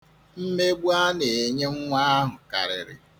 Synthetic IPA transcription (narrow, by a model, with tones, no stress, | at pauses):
m̩˦me˦ɡ͡bu˦a˦ne˨e˨ɲe˦ŋ̩˦ŋʷa˦a˦ɦʊ˨ka̰˨ɾɪ̰˨ɾɪ̰˨